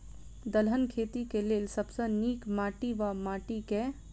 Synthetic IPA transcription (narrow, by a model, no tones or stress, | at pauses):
d̪əlɦənkʰeːt̪ikelelsəbsə̃niːkmaːʈiʋamaːʈike